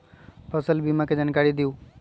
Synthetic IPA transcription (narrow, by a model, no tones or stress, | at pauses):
pʰəsəlbimãked͡ʒaːnkaɾid̪ijũː